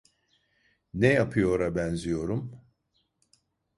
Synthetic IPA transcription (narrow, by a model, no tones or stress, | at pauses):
nejapʰɯjo̞ɾabænzijo̞ɾum